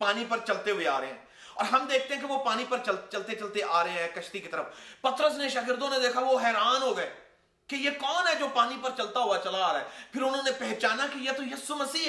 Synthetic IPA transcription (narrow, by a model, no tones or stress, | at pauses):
paːnipɐɾt͡ʃɐlt̪eɦʊea̰ːɾɐɦḛɦɛ̰̃ː | ɔ̰ːɾɦɐmd̪eːk̚ʰt̪ẽɦɛ̃keʋopaːnipɐɾt͡ʃəlt͡ʃɐlt̪et͡ʃɐlt̪eʔaːɾɐɦeɦɛ̃ːkɐʃt̪ikit̪əɾəfpɐt̪ɾəsneʃɐkɪɾd̪õned̪eːkʰaʋoɦɛːɾaːnɦoːɡɛː | kejekɔːnɦɛd͡ʒoːpaːnipɐɾt͡ʃɐlt̪aɦʊat͡ʃɐlaːɾaːɦɛːpʰɪɾʊnɦõːnepɛɦt͡ʃaːnakijet̪ojisuməsiː